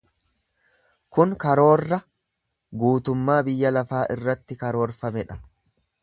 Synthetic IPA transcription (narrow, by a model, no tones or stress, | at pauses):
kʊŋkɐɾo̞ːrːɐ | ɡuːt̪ʊmːaːbɪjːɐlɐfaːʔɪrːɐt̪ːɪkɐɾo̞ːɾfɐmɛᶑɐ̥